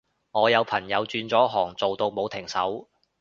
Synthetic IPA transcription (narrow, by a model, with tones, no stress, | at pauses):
ŋɔː˨˧jɐ˨˧wpʰɐ˨˩ŋjɐ˨˧wt͡syː˧nt͡sɔː˨˥ɦɔː˨˩ŋt͡so˨wt̪o˧wmo˨˧wt̪ʰɪ˨˩ŋsɐ̰˨˥w